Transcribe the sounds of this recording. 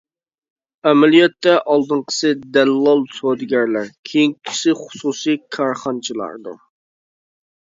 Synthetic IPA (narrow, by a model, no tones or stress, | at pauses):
ɛmælijɛt̪ːɛʔɑlˠd̪ɨɴqʰə̥sɨd̪ælːɑlˠsod̪ɡʲɛɾlæɾkʲʰejiŋkʲʰi̥ʃɪχʊ̥susijkʰɑɾχɑnt͡ʃʰilˠɑ̰ɾd̪ṵ